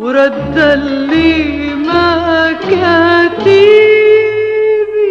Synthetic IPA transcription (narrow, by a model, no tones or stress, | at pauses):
uɾɐd̪ːɐlːi | mɐkjɐt̪i | ʋi